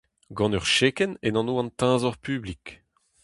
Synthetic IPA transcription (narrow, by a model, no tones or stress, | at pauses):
ɡɑ̃nœʁʃeːkɛnenɑ̃noːɑ̃nt̪ɛ̃zɔʁpyːblik